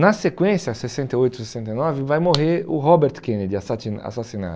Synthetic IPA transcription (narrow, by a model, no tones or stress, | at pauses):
nɐsekwẽsjɐsesẽnt̪eojt̪ʊ̥sesẽnt̪ɐjnɔvɪvajmoɦeʊɦɔbeɾt̪kẽned͡ʒ̪ɪasia̰sasina̰